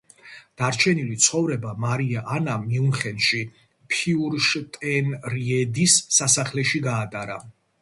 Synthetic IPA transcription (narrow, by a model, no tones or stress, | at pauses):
d̪̥aɾt͡ʃʰɛnilit̪sʰχɔvɾɛbamaɾiaʔanamiunχɛnʃi | pʰiuɾʃt̪ʼɛnɾiɛd̪isːasaχlɛʃiɡaːd̪ʼaɾa̰